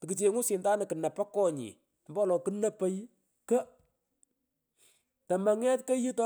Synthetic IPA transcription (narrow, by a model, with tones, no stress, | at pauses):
tɪ˨ki˨t͡ʃe˨ŋu˦sɪ˨ntaː˦nɪ˨kɨ˨nɐ˨pɐ˦kɔ˦ɲḭ˨ | mba˦˨lɔ˨kɨ˦nɐ˨pə˦j | kə˦ | tɐ˨mɐ˨ŋɛ˦tkɐ˦ji˦tɔ˦